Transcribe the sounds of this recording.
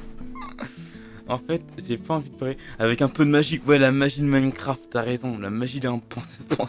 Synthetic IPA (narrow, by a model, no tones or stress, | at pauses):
ɑ̃fɛt̪ʒepaɑ̃vid̪paʁleavɛkɛ̃pød̪əmaʒiwɛlamaʒid̪mankχaft̪t̪ːyaʁezɔ̃lamaʒil̃pɑ̃sɛ̥spʰɑ̃